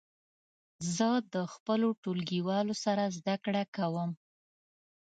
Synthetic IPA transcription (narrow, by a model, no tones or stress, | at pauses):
zəd̪əxpəloʈulɡiwɑlosaɾazd̪akɽakawəm